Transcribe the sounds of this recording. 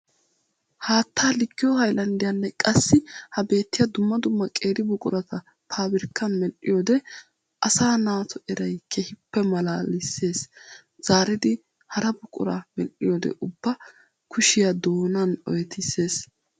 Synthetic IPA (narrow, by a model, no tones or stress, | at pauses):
haːt̪ːaːlɪɡːɪjɔhɐjlɐnd̪ɪjɐnːɛkʼɐsːɪhɐbe̞ːt̪ːɪjɐd̪ʊmːɐd̪ʊmːɐkʼe̞ːɾɪbʊkʼʊɾɐt̪ɐ | pʰaːbɪɾkːɐnmɛlʔɪjod̪ɛ | ʔɐsaːnaːt̪ɔɛɾɐjkʰɛhɪpːɛmɐlalɪsːe̞ːs | z̥aːɾɪd̪ɪ | hɐɾɐbʊkʼʊ̰ɾɐ̰mɛlʔɪjoːd̪ɛ̰ʔʊbːɐ | kʰʊʃɪjɐd̪oːnɐnɔ̰jɛt̪ɪse̞ːs